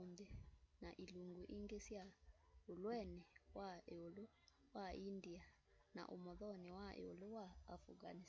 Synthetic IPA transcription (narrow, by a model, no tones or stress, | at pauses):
ɲd͡ʒɛnaʔiluŋɡuʔiŋɡesjaolwɛnɛwaeolo | waindia | na̰ʔo̰mɔðɔnɛwaʔḛo̰lowaːfuɡa̰ni